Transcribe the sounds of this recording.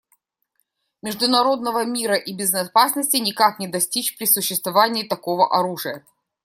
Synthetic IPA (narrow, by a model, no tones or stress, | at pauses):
mʲɪʐd̪ʊnɐɾo̞d̪nəvəmʲiɾəʔibʲɪznɐpasnəsʲtʲɪnʲɪkaknʲɪd̪ɐsʲtʲit͡ɕpɾʲɪsʊɕːɪst̪vɐvanʲɪːt̪ɐko̞və̰ʔɐɾuʐɨjə